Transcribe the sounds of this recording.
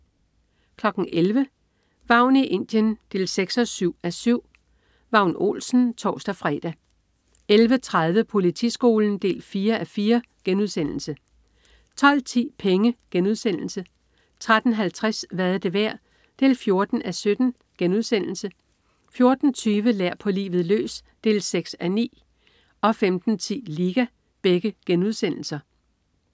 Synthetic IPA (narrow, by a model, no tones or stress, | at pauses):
kʰlɒ̽ɡ̥n̩ʔelʋə | ʋɑ̈ʊ̰niʔe̝n̰d̥jənd̥e̝ːlseɡ̥sɒ̽syʊ̰æsyʊ̰ | ʋɑ̈ʊ̰no̝̰ːlsn̩t͡sʰɒ̰ːsd̥æfʁɛ̰ːd̥æ | elʋət͡sʰʁað̞ˠʋəpʰo̝lit͡sʰḭsɡ̥o̝̰ːln̩d̥e̝̰ːlfiːɐæfiːɐɡ̥enuð̞̰ˠsen̰l̩sə | t͡sʰɒ̽l̰t͡sʰḭːpʰeŋəɡ̥enuð̞ˠsen̰l̩sə | t͡sʰʁad̥n̩ɦælt͡sʰʁasʋæðˠd̥e̝ʋæɐ̰ | d̥e̝̰ːlfjo̝ɐd̥n̩ʔæsød̥n̩ | ɡ̥enuðˠsen̰l̩sə | fjo̝ɐd̥n̩t͡sʰyːʋəlæɐ̰pʰɒ̽lḭːʋð̩ˠlø̰ːsd̥e̝̰ːlseɡ̥sænḭː | ɒ̽femd̥n̩t͡sʰḭːliːɡ̥æ | b̥eɡ̥əɡ̥enuðˠsen̰l̩sɐ